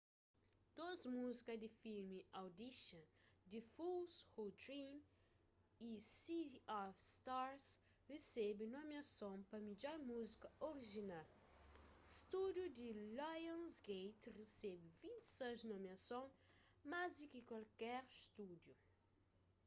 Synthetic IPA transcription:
d̪̥ozmuzikɐd̪ifilmiawd̪iʃɐ̃d̪ifulshod̪ɾĩn | isiafst̪aɾs | resɛbɪnomiɐsõw̃pɐmid͡ʒɔɾmuzikɐoɾiʒinal | st̪ud̪jud̪ilajãnsɡejt̪resɛbɪvĩnt̪saznomiɐsõw̃ | mazikikwalkɛɾst̪ud̪ju

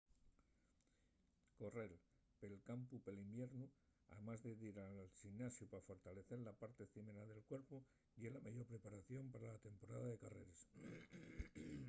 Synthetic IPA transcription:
ko̞re̞l | pe̞lkampupe̞limbje̞ɾnu | a̰ðemazðeðiɾalsinasjupaafo̞ɾt̪ale̞θe̞ɾlapaɾt̪e̞θimeɾaðe̞lkwe̞ɾpu | jelamaʝo̞ɾpɾe̞paɾaθjo̞mpaɾalat̪e̞mpo̞ɾaðaðe̞kare̞ɾes

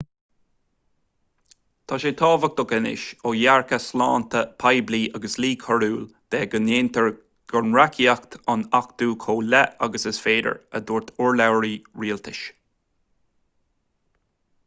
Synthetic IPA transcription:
t̪ʰɑʃeːt̪ʰɑːvək̚d̪ɔkɛnɪ̰ʃoːjaɹkəslɑ̰ːnt̪əpʰajbliːʔaɡəsliːkʰɔɹuːld̪̥ɛːɡəneːnt̪əɹ | ɡ̥ɔɹnɹakʰiakt̪ʰɑnakd̪̥uːkʰoːlɛaɡəsəsfeːdə̰ɹə̰d̪uːɹt̪ʰʊɹlawɹiːɹiːlt̪ʰɪʃ

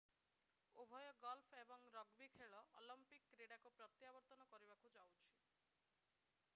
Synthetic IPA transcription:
ubʱɔjɔɡɔlpʰebɔŋɾɔɡbikʰeɭɔʔːlɔmpikːɾeɽakupɾɔt̪jabɔɾt̪ɔnɔkɔɾibakud͡ʒawt͡ʃʰi̥

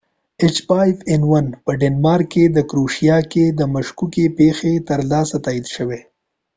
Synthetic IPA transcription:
ɪt͡ʃbajfɪnwanpəɖenmɑɾkːed̪əkɾuʃijɑked̪əmaʃkukepexet̪əɾlɑsat̪ɑid̪ʃəwe

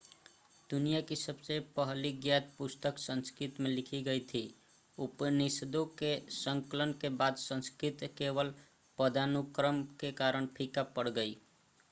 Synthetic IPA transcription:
d̪unijakisəbsepəɦliɡjat̪̚pust̪əksə̃nskɾit̪melikʰiɡəjt̪ʰi | upnisd̪okesəŋkələnkebad̪sə̃nskɾit̪kebəl | pəd̪anukɾəmkekaɾəɳpʰikapəɽɡəi

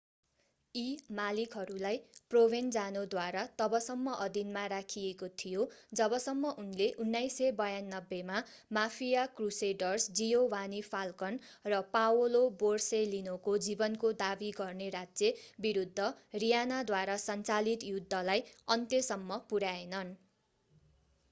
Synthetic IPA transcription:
imalikɦʌɾulajprobʱend͡zanod̪waɾat̪ʌbʌsʌmːʌʔʌd̪inmaɾakʰiekot̪ʰijod͡zʌbʌsʌmːʌʔunleʔunːajsebʌjanːʌbːemamapʰijakruseɖʌrsd͡zijowanipʰalkʌnrʌpawoloborselinokod͡zibʌnkod̪abiɡʌrneɾad͡zjebiɾud̪ʱːʌrijanad̪waɾasʌnt͡salit̪jud̪ʱːʌlajʌnt̪jesʌmːʌpuɾaenʌn

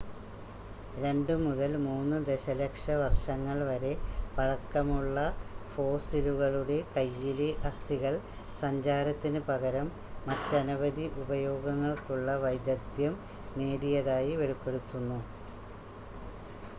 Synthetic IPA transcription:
ɾe̞ɳɖɨmuðɐlmuːnːɨd̪e̞ɕɐlɐkʂɐʋɐrʂɐŋːɐɭʋɐɾe̞pɐɻɐkːɐmuɭːɐfo̞ːsiluɣɐɭuɽe̞kɐjːileʔɐst̪ʰiɣɐɭ | sɐɲd͡ʑaːɾɐt̪ːinɨpɐɣɐɾɐmː | ɐtːɐnubɐðiʔubɐjo̞ːɡɐŋːɐɭkuɭːɐʋɐjd̪jɐd̪jɐm | ne̞ːɽijɐðaːjiʋe̞ɭipːe̞ɽut̪ːunːu

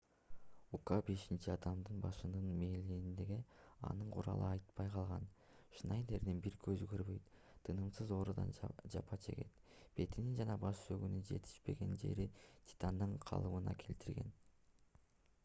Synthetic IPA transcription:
ukabe̞ʃint͡ʃiɑd̪ɑmd̪ɯnbɑʃɯnɯnmeːliind̪e̞ɡeɑ̰nɯɴqʰuɾɑ̰lˠɯ̰ɑjt̪pɑjqʰɑlˠʁɑn | ʃnɑjne̞ɾd̪enbiɾkʰøzyɡøɾbø̞jt̪ | t̪ʰːɯnɯmsɯzo̞ːɾud̪ɑ̰nd͡ʒɑpʰɑt͡ʃʰe̞̰ɡe̞̰t̪b̥e̞t̪inind͡ʒɑnɑbɑʃsøɡynynd͡ʒe̞̰t̪ʰi̥ʃpe̞ɡe̞nd͡ʒe̞̰ɾit̪ʲʰi̥t̪ɑnd̪ɯɴqʰɑ̰lˠɯmɯnɑ̰kʰe̞lt̪iɾɡe̞̰n

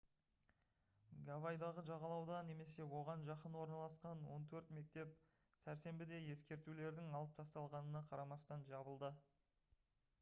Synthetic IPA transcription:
ɡavajd̪ɑʁəʒɑʁɑlˠɑwd̪ɑne̞me̞se̞wo̞ʁɑnʒɑqənwo̞ɾnɑlˠɑsqɑnwo̞nt̪ʰɵɾt̪me̞k̚t̪e̞p | sæɾse̞mbɪd̪e̞je̞skʲe̞ɾt̪ule̞ɾd̪ɪŋɑlˠəp̚t̪ʰɑst̪ɑlˠʁɑnənɑqʰɑɾɑmɑst̪ɑnʒɑbəlˠd̪ə

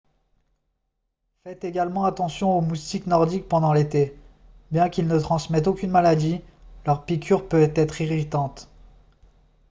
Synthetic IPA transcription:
fɛt̪eɡalmɑ̃at̪ɑ̃sjɔ̃omust̪iknɔʁd̪ik̚pɑ̃d̪ɑ̃let̪e | bjɛ̃kʲilnət̪χɑ̃smɛt̪okʲynmalad̪ilœʁpikʲʰyʁpøt̪ɛt̪χiʁit̪ɑ̃t̪

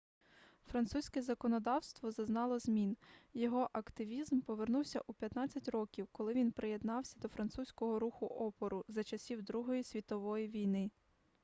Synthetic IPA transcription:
fɾɐnt̪susʲkɛzɐkɔnɔd̪ɑwst̪ʋɔzɐznɑlˠɔzmʲinjɔɦɔʔɐkt̪ɪʋʲizmpɔʋernuwsʲɐʔupʲjɐt̪nɑt͡sʲːɐtʲrɔkʲiwkɔlˠɪʋʲinpɾeje̞d̪nɑwsʲɐd̪ɔfɾɐnt̪susʲkɔɦɔɾuxʊʔɔpɔɾʊzɐt͡ʃɐsʲiwd̪ɾuɦɔjisʲʋʲit̪ɔʋɔjiʋʲijnɪ

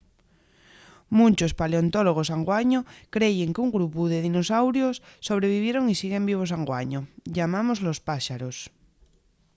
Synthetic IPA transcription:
mũnt͡ʃospaleont̪oloɣ̞os̬aŋɡwaɲokɾeʝeŋkuŋɡɾupuðeðinosawɾjosːoβ̞ɾeβ̞iβ̞jeɾoŋisiɣembiβ̞os̬aŋɡwaɲoʎamãmozlospaʃaɾos

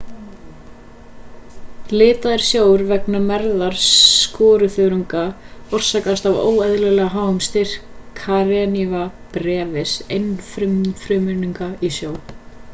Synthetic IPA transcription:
lɪːt̪aðɪɾ̥sjoːwɾvɛknamɛɾðaɾ̥skɔːɾʏθʏðɾuŋka | ɔr̥sak̪ast̪avo̰ːwɛðlɛlɛɣaɦaːwhʏmst̪ɪɾ̥kʰaɾɛnivapɾɛːvɪsejnfɾʏmfɾʏmʏniŋkaisjoːw

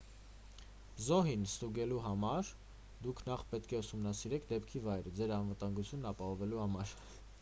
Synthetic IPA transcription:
zɔɦinst̪uɡɛluɦɑmɑɾ | d̪ukʰnɑχpɛt̪kʰɛusumnɑsiɾɛkʰd̪ɛpkʰivɑjɾəd͡zɛɾɑnvət̪ɑŋɡut͡sʰjunːɑpɑhɔvɛluhɑmɑɾ

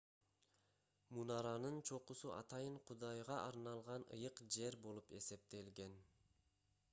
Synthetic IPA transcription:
munɑɾɑnɯnt͡ʃʰo̞qusuʔɑ̰t̪ɑjɯɴqʰud̪ɑjʁɑʔɑɾnɑlˠʁɑnɯ̰jɯqd͡ʒe̞ɾbo̞lˠupe̞se̞p̚t̪e̞lɡe̞n

